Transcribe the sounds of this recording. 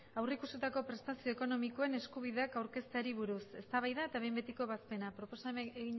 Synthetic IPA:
awreikuset̪ako̞pɾe̞st̪asio̞eko̞no̞miko̞e̞ne̞skuβiðe̞akawɾke̞st̪aɾiβuɾuse̞st̪aβajðae̞t̪aβe̞jmbe̞t̪iko̞βaspe̞napɾo̞po̞saeɣiɲ

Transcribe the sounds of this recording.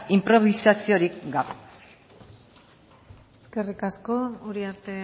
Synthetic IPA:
impɾo̞β̞isasio̞ɾikɡaβe | eske̞rikasko̞uɾiaɾt̪e̞

